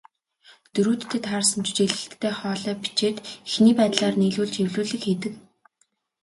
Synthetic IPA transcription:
t̪ɵɾuːt̪ːʰet̪χaːrsə̆mt͡ɕt͡ɕeɮɘ̆ɬt̪ʰːeːχɔːɮœːpi̥t͡ɕeːt̪exniːpæːt̪ɮaːrniːɮuːɮt͡ɕewɮuːɮɘ̆kxeːt̪ɘ̆k

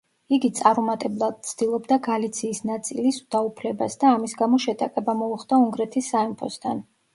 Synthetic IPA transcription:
iɡit̪sʼaɾɔmat̪ʼɛblˠad̪̥̚t̪sʰd̪̥ilˠɔbd̪aɡalit̪sʰiːsnat̪sʼilisud̪̥aupʰlɛbasd̪aːmisɡamɔʃɛt̪ʼaqʼɛbamɔuχd̪auŋɡɾɛt̪ʰisːaimpʰɔ̰st̪ʰan

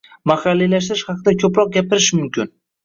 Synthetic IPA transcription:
mahɑlːilaʃ̬t̪ɪɾɪʃhɑqʰɨd̪akʲʰɵpɾɒq̚ɡʲapɪɾɪʃmʊmkʲʰɪn

